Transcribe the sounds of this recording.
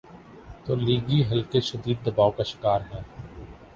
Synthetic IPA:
t̪oːliːɡiɦɐlkeʃɐd̪iːd̪̚ːɐbaːokaʃɪ̥kaːɾɦɛ̃ː

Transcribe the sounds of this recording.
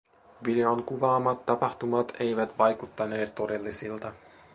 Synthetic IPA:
ʋide̞oŋkuʋɑːmːɑt̪ːɑpɑxt̪umɑt̪ʰe̞jʋæt̪ʋɑjkut̪ːɑne̞ːt̪ːo̞de̞lːisilt̪ɑ

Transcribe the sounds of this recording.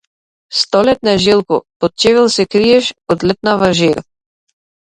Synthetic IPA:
st̪ɔlɛt̪̚naʒilˠkɔ̰pɔt̪̚t͡ʃɛvɛlˠsɛkɾijɛʃɔd̪lʲɛt̪̚navaʒiɾ

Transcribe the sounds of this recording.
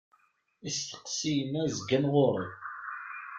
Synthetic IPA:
ist̪ə̥qsijənæzɡænʁʊɾˤi

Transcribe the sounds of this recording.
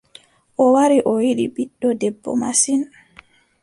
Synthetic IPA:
ʔɔwaɾiʔɔwiɗḭbiɗːɔdɛbːɔ̰masin

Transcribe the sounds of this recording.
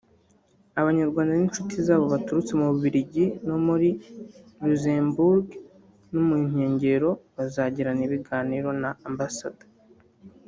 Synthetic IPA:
aβaɲaɾɡwaːndaninʃutizaːβo̞βatuɾut͡se̞muβuβiɾiɟinomuɾiluzembuɾɡ | nomiɲ̥e̞ːɲɟe̞ɾo̞βazaːɟiɾaniβiɡaːniɾo̞naːmbasad̥ḁ

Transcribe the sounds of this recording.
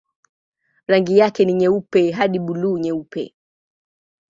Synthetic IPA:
ɾaŋɡijakɛniɲɛupɛɦaɗiɓuluːɲɛupɛ̰

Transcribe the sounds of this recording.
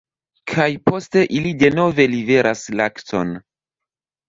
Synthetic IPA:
kʰajpo̞ste̞ʔilide̞no̞ve̞live̞ɾʔaslakto̞̰n

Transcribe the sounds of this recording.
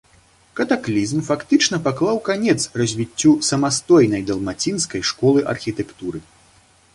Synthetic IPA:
kɐt̪aklʲizmfakt̪ɨt͡ʂnɐpaklˠawkanʲɛt̪srɐzʲvʲit͡sʲːusɐmast̪ɔjnɐjd̪ɐlˠmat͡sʲinskɐjʂkɔlˠɨʔɐ̰rxʲit̪ɛkt̪uɾɨ

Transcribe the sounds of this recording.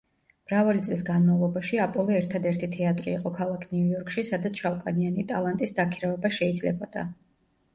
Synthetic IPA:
b̥ɾavalit̪sʼlisɡanmavlˠɔbaʃiapʼɔlˠɛɛɾt̪ʰad̪ɛɾt̪ʰit̪ʰɛat̪ʼɾḭːqʼɔkʰalˠakʰniujɔɾkʰʼʃisad̪at̪sʰʃawkʼanianit̪ʼa̰lˠant̪ʼisd̪akʰiɾavɛbaʃɛid̪zlɛ̰bɔd̪̥a̰

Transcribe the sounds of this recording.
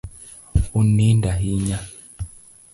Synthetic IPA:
unindaɦiɲa

